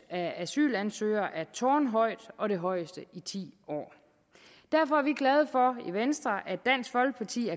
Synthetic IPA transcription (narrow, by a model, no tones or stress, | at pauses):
ææsy̰ːlænsø̰ːɪ̰ɐʔæɐt͡sʰɒːnɦɒ̽ɪ̰d̥ʔɒ̽ɾe̝ɦɒ̽ɪ̰əsd̥əit͡sʰḭːɒ̰ː | d̥æɐfɒ̽æɐʋiɡ̥lɛð̞ˠəfɒ̽iʋensd̥ʁɐʔæ̥æn̰sɡ̥fɒ̽lɡ̥əpʰɑ̈t͡sʰḭːæɐ